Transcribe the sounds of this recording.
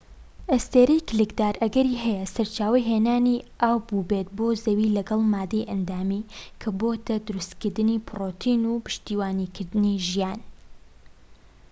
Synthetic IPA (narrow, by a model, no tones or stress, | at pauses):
ʔest̪eːɾɐjklɨkd̪aːɾʔɐɡɐɾiːɦɛjɐsɐɾt͡ʃaːwɐjɦeːnaːniʔaːwbubet̪̚boːzɐwiːlɐɡɐlˠmaːd̪ejʔɐnd̪aːmikʰɐboːt̪ʰɐd̪ʊɾust̪kɨɾd̪ɨniːpʰɨroːt̪ʰiːnupɨ̥ʃt̪iːwaːniːkʰɨɾd̪ɨniʒijaːn